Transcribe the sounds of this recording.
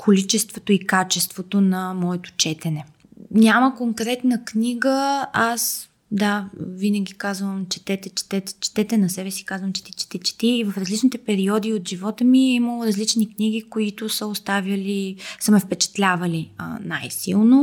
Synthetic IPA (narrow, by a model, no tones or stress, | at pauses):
kʰolit͡ʃɛst̪vot̪oikat͡ʃɛst̪vot̪onɐmɔɛt̪o̥t͡ʃɛt̪ɛnɛ | nʲaməkoŋkɾɛt̪nəkniɡəas | d̪avinəɡʲikazvəmt͡ʃɛ̥t̪ɛt̪ɛt͡ʃɛ̥t̪ɛt̪ɛ̥t͡ʃɛ̥t̪ɛt̪ɛnɐsɛbɛsi̥kazvəmt͡ʃɛ̥t̪it͡ʃɛ̥t̪it͡ʃɛ̥t̪iːvɐfɾɐzlit͡ʃnit̪ɛpɛɾiɔd̪iot̪ʒivɔt̪əmiiməlˠoɾɐzlit͡ʃnikniɡʲikoit̪ʊsəost̪avʲjəlisəmɛfpɛt͡ʃɛ̥t̪lʲavɐlḭnajsilˠno